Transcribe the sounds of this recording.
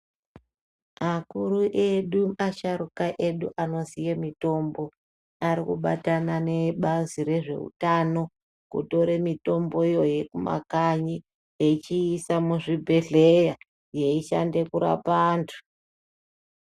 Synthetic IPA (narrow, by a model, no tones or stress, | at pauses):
makuɾuʔeɗuaʃaɾukaʔe̞ɗuʔano̞sijemito̞mbo̞ | aɾikuɓa̰tanane̞ɓaziɾe̞ʐe̞̰ṵtano̞ | kṵto̞ɾemito̞mbo̞ijo̞je̞kuma̰kaɲi | et͡ʃiːsamuʐibʱe̞ɮeja | je̞iʃa̰nde̞kuɾa̰paːntʰu̥